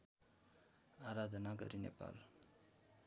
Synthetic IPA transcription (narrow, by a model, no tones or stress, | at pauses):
aɾad̪ʱʌnaɡʌ̰ɾinḛpa̰l